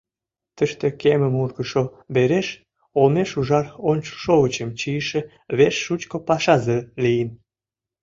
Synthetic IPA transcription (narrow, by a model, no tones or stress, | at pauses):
t̪əʃt̪ĕkeməmurɣəʃo | beɾeʃ | olmeʃuʒɑronʲt͡ɕo̥ʃoɣət͡ɕəmt͡ɕiəʃĕ | βeʃːut͡ɕkopɑʃɑzelijən